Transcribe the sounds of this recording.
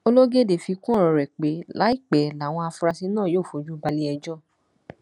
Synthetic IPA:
o˧lo˦ɡe˦˨de˨fi˧kũ˦˨ɔ˧ɾɛ˨k͡pe˨˦la˦i˦˨k͡pɛ˨˦la˨w̃ɔ̃˧a˧fɾa˧si˧˦nãː˦˨joː˦˨fo˨˦d͡ʒu˦ba˧li˧˦ɛ˧d͡ʒɔ˦

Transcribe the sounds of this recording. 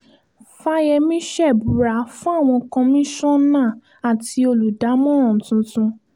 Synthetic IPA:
fa˦jɛ˧mĩ˦ʃɛ˦˨bu˨ɾa˨˦fũ˦a˦˨w̃ɔ̃˧kã˧mĩ˦ʃɔ̃˦nãː˦˨ | a˨ti˧o˧lu˨da˨˦mɔ̃˦ɔ̃˨tũ˧˦tũ˧

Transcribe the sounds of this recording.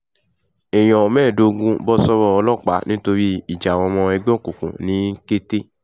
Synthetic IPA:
ɛ˨j̃ɔ̃˨mɛ̃ː˦˨do˧ɡũ˧bɔ˦sɔ˧ɾɔ˦˨ɔ˧lɔ˦˨k͡pa˨˦nĩ˦to˧ɾi˦i˦˨d͡ʒa˨w̃ɔ̃˧mɔ̃˧ɛ˧ɡ͡bɔ̃˦˨kũ˨kṵ̃˨nĩ˨˦ke˦te˦

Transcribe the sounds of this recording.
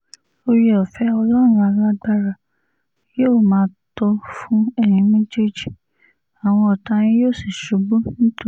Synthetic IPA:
lo˧ɾi˦ɔ˨fɛ˦ɔ˧lɔ˦˨ɾũ˦a˧la˧˦ɡ͡ba˦ɾa˨ | joː˦˨mãː˨˦tɔ˧fũ˦ɛ˦˨nĩ˨˦mĩ˦d͡ʒe˦d͡ʒi˨ | a˨w̃ɔ̃˧ɔ˨tã˧ñĩ˦joː˦˨si˨ʃu˨˦bũ˦ñ̩˦to˨

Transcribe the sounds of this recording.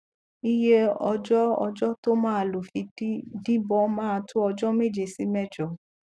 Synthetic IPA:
i˦je˦ɔ˧d͡ʒɔ˦ɔ̰˧d͡ʒɔ˦to˦mãː˦˨lo˨fi˧˦di˦bɔ˦mãː˦˧tu˦ɔ˧d͡ʒɔ˦me˦˨d͡ʒe˨si˨˦mɛ˦˨d͡ʒɔ˨

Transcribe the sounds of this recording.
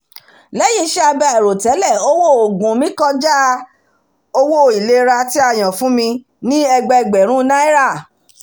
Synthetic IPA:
lɛ˦jĩ˧˦ʃɛ˦a˧bɛ˧˨ɛ˨ɾo˨tɛ˨˦lɛ˦˨o˦wo˦˨o˨ɡũ˨mĩ˨˦kɔ˧d͡ʒa˦ | o˧wo˦˨i˨le˦ɾa˧ti˦a˦˨j̃ã˨fũ˨˦mĩ˧ | nĩ˦ɛ˧ɡ͡bɛ˧˨ɡ͡bɛ˨ɾ̃ũ˦nã˦i˦ɾa˦˨

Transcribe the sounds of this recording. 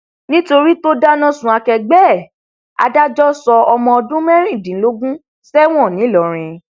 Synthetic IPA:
nĩ˦to˧ɾi˦to˦da˦nã˦sũ˨a˧kɛ˧ɡ͡bɛː˦˨ | a̰˧da˦d͡ʒɔ˦sɔ˧ɔ˧mɔ̃˧ɔ˧dũ˦mɛ˦ɾ̃ĩ˦˨dĩ˨n̩˦lo˦ɡũ˦ | sɛ˦w̃ɔ̃˦˨nĩ˨˦lɔ˨ɾ̃ĩ˧

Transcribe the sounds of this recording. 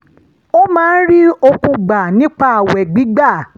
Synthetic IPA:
o˦mãː˦n̩˦ɾi˦o˧kũ˧ɡ͡ba˨nĩ˦k͡pa˦˨wɛ˨ɡ͡bi˨˦ɡ͡ba˦˨

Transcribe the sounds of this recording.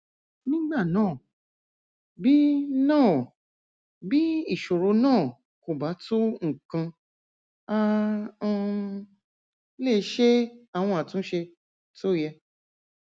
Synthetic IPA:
nĩ˦ɡ͡ba˦˨nãː˦˨ | bi˦nãː˦˨ | bi˦i˦˨ʃo˨ɾo˧nãː˦˨ | ko˨ba˨˦to˦ŋ̩˨kã˧ | ã˧ | le˦˨˦ʃe˦a˦˨w̃ɔ̃˧a˨tũ˨˦ʃe˧ | to˦˨jɛ˧

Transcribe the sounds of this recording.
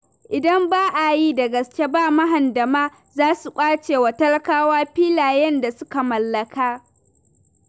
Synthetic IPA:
ʔɪ˨dɐ˦mbaː˦ʔa˨jiː˦dɐ˨ɡɐ˨skʲe˦baː˦˨mɐ˦ɦɐ˨ndɐ˨maː˦ | zaː˦su˨kʷʼaː˦t͡ʃeː˨wɐ˨tɐ˦lkaː˦waː˦ɸiː˦laː˨jɛ˦nda˨sʊ˦ka˨mɐ˨lːɐ˨kaː˦

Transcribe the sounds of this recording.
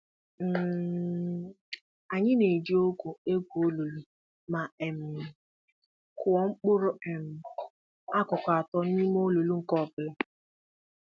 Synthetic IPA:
m̩˨ | a˨ɲɪ˦ne˨d͡ʒi˦o˦kʷu˨e˦kʷu˨o˦lo˨lu˦ | ma˨e˨m̩˨ | kʊ˨ɔ˨ŋ͡m̩˦k͡pʊ˦ɾʊ˨e˨m̩˨ | a˦kʊ˨kʷa˨a˨tɔ˦n̩˦ɲi˦m˦o˦lo˨lu˦ŋ̩˨kɔ˦˨bɪ˨lɪ˦

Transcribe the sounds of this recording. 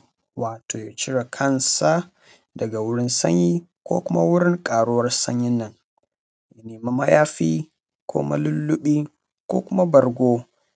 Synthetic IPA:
waː˨tʰoː˨ja˨t͡ʃɪ˦ɽa˨kʰɐ˦˨nsa˦ | dɐ˨ɡa˨wʊ˦ɽɪ˦nsɐ̰˦ɲjiː˦kʷo̰ː˦kʷʊ˦ma˦wʊ˦ɽɪ˦ŋkʼaː˨ɽʊ˦wɐ˦rsɐ̰˦ɲjɪ˦nːɐ˨ŋ | ja˨neː˨ma˦mɐ˦jaː˦ɸiː˦ | kʷʰo̰˦ma̰˦lʊ˦lːʊ˦ɓiː˦ | kʷoː˦kʷʊ˦ma˦bɐ˨rɡʷoː˦

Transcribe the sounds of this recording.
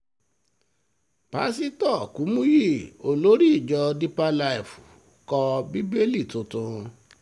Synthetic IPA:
pa̰˨˦s̬i˦tɔ˦˨ku˨˦mũ˦ji˦˨o˨lo˨˦ɾi˦i˦˨d͡ʒɔ˧di˦pa˦la˧i˨fu̥˨ | kɔ˧bi˦be˦li˦˨tõ˧tũ˧

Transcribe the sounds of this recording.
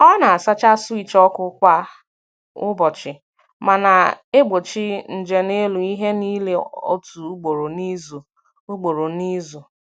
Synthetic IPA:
ɔ˦na˨a˨sa˦t͡ʃa˦si˦t͡ʃɔ˦kʊ˦kʷa˦ | ʊ˦bɔ˨t͡ʃɪ˨ | ma˨na˨e˦ɡ͡bo˨t͡ʃɪ˦n̩˨d͡ʒe˨ne˦lu˨i˦ɦe˦ni˦le˨o̰˦tu˨u˦ɡ͡bo˨ɾo˨ni˦zu˨ | u˦ɡ͡bo˨ɾo˨ni˦zu˨

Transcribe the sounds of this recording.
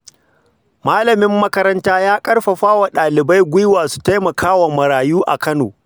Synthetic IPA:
maː˦lɐ˨mɪ˦mːɐ˦kɐ˦ɾɐ˦ntaː˦jaː˦kʼɐ˦ɽɸɐ˨ɸaː˦wa˨ɗaː˨lɪ˨ba˦jɡʷʊ˦jwaː˨su̥˨ta˦jmɐ˨kaː˦wa˨mɐ˨ɾaː˨juː˦ʔa̰˨kɐ˦no̰ː˨

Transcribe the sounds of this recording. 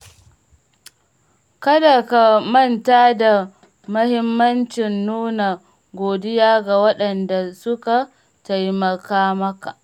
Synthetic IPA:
kɐ˦da˨ka˨mɐ˦˨ntaː˦da˨ | mɐ˦hɪ˦mːɐ˦nt͡ʃɪ˨nːuː˦na˨ | ɡʷoː˨dɪ˦jaː˦ɡa˨wɐ˦ɗɐ˨nda˨sʊ˦ka˨ | ta˨jmɐ˨kaː˦mɐ˦ka˨ʔ

